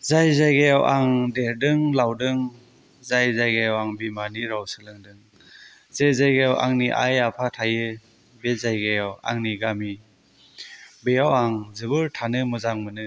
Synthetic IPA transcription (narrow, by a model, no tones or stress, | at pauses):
zajzajɡajawʔaŋdeɾdɯŋlawdɯŋ | zajzajɡajawaŋbimaniɾawsɯlɯŋdɯŋ | z̥ajzajɡajawʔa̰ŋniʔa̰japʰatʰajɯ | bezajɡajawa̰ŋniɡami | bejawaŋzɯbɯɾtʰanɯmɯzaŋmɯnɯ